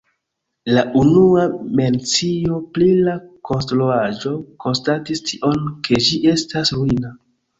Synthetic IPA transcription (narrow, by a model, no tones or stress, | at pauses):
laʔunuame̞nt͡sio̞plilakʰo̞nstɾuad͡ʒo̞ko̞nstatistʰiʔo̞nkʰe̞d͡ʒiʔe̞stasɾuina